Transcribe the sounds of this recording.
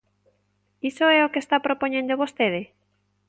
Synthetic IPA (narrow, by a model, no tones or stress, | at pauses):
isoɛokest̪apɾopoɲẽnd̪oβost̪eðɪ